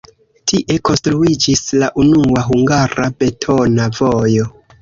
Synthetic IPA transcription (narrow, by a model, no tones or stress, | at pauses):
tiʔe̞ko̞nstɾuid͡ʒislaʔunuaɦuŋɡaɾabe̞tʰo̞navojo̞